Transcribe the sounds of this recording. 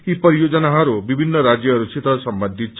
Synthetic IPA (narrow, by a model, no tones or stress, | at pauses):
ipɔɾijod͡ʒɔnaɦaɾubibʱinːɔɾad͡ʒjɔɾut͡ʃit̪ɔsɔmbɔnd̪ʱit͡ʃʰ